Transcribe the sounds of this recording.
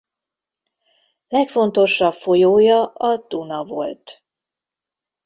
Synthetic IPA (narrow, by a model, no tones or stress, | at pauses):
lɛkfo̞nt̪o̞ʃːɒpfo̞joːjɒɒd̪unɒvo̞̰lt̪